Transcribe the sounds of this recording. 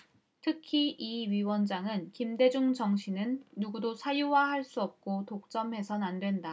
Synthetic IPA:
tʰɯkʰiʔiɥiwʌnd͡ʑaŋɯnkimde̞d͡ʑuŋd͡ʑʌŋɕʰinɯnːuɡudosʰajuwahaɭs͈uʌp̚k͈otok̚t͡ɕ͈ʌmɦe̞sʰʌnandwe̞nda

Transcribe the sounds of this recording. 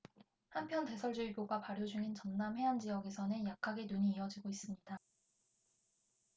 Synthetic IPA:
hampʰjʌnte̞sʰʌɭd͡ʑuiboɡapaɾjod͡ʑuŋint͡ɕʌnːamhe̞and͡ʑijʌɡe̞sʰʌnɯnjakʰːaɡe̞nuɲiːʌd͡ʑiɡois͈ɯmɲida

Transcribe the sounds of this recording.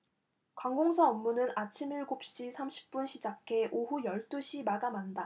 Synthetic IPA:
kwaŋɡoŋsʰʌʌmːunɯnat͡ɕʰimiɭɡop̚ɕ͈isʰamɕʰi̥p̚p͈unɕʰid͡ʑakʰe̞ʔoɦujʌɭt͈uɕʰimaɡamanda

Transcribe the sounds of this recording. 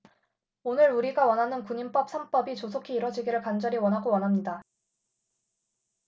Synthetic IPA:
onɯɾuɾiɡawʌnɦanɯnkuɲimp͈ʌp̚sʰʌmp͈ʌbit͡ɕosʰokʰiːɾʌd͡ʑiɡiɾɯɭkand͡ʑʌɾiwʌnɦaɡowʌnɦamɲida

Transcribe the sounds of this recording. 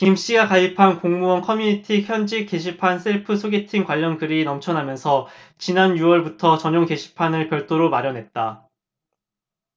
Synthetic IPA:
kimɕ͈iɡakaipʰankoŋmuʌnkʰʌmjunitʰiçjʌnd͡ʑik͈ːe̞ɕ̬ʰipʰansʰeɭpʰɯsʰoɡetʰiŋkwaʎːʌnkɯɾinʌmt͡ɕʰʌnɦamjʌnsʰʌt͡ɕinanjuwʌɭbutʰʌt͡ɕʌɲoŋke̞ɕʰi̥pʰanɯɭpjʌɭt͈oɾomaɾjʌnɦe̞t̚t͈a

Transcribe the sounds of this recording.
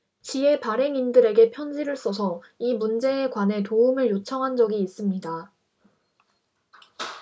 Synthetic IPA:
t͡ɕie̞paɾe̞ŋindɯɾe̞ɡe̞pʰjʌnd͡ʑiɾɯɭs͈ʌsʰʌ | imund͡ʑe̞ːkwane̞toumɯɭjot͡ɕʰʌŋɦand͡ʑʌɡiːs͈ɯmɲida

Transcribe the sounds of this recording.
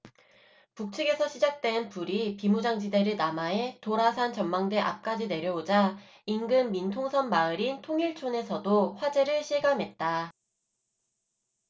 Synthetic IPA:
puk̚t͡ɕʰɯɡe̞sʰʌɕʰid͡ʑak̚t͈we̞npuɾipimud͡ʑaŋd͡ʑide̞ɾɯɭnamae̞toɾasʰant͡ɕʌmmaŋde̞ʔa̰p̚k͈ad͡ʑine̞ɾjʌod͡ʑa | inɡɯmːintʰoŋsʰʌnmaɯɾintʰoŋiɭt͡ɕʰone̞sʰʌdoɸwad͡ʑe̞ɾɯɭɕʰiɭɡamɦe̞t̚t͈a

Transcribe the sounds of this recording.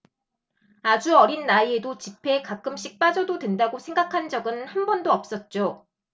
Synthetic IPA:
ad͡ʑuʌɾinːaiedot͡ɕipʰe̞kak͈ɯmɕ͈ʰik̚p͈ad͡ʑʌdodwe̞ndaɡosʰeŋɡakʰand͡ʑʌɡɯnhanbʌndoʌp̚s͈ʌt̚t͡ɕ͈o

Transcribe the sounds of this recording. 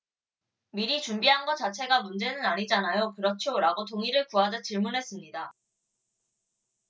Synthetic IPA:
miɾit͡ɕumbiɦanɡʌt͡ɕat͡ɕʰe̞ɡamund͡ʑe̞nɯnaɲid͡ʑanajokɯɾʌt͡ɕʰjoɾaɡotoŋiɾɯɭkuɦad͡ʑʌt͡ɕiɭmunɦe̞s͈ɯmɲida

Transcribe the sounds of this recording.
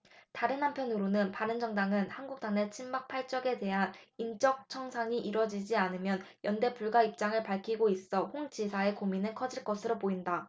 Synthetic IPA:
taɾɯnːampʰjʌnuɾonɯnpaɾɯnd͡ʑʌŋdaŋɯnhanɡuk̚t͈ane̞t͡ɕʰimmak̚pʰaɭt͡ɕ͈ʌɡe̞de̞ɦanint͡ɕ͈ʌk̚t͡ɕʰʌŋsʰaŋiʔiɾʌd͡ʑid͡ʑianɯmjʌnjʌnde̞puɭɡwaip̚t͡ɕ͈aŋɯɭpaɭkʰiɡois͈ʌɸoŋd͡ʑisʰae̞kominɯɭkʰʌd͡ʑiɭk͈ʌsʰɯɾopoinda

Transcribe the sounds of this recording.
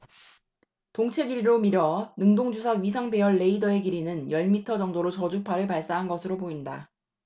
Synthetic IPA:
toŋt͡ɕʰe̞ɡiɾiɾomiɾʌnɯŋdoŋd͡ʑusʰaɥis̬ʰaŋbe̞ʌɭːe̞idʌe̞ɡiɾinɯnjʌɭmitʰʌd͡ʑʌŋdoɾot͡ɕʌd͡ʑuk̚pʰaɾɯɭpaɭs͈aɦanɡʌsʰɯɾopoinda̰

